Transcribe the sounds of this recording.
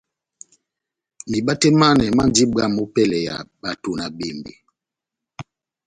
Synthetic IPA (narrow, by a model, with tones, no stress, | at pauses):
mi˨ɓa˦tɛ˦ma˦nɛ˨ma˦n˦d͡ʒi˦ba˦˨mu˦pɛ˦˨lɛ˨ja̰˨ɓa˨to˨na˨ɓe˨mbḛ˨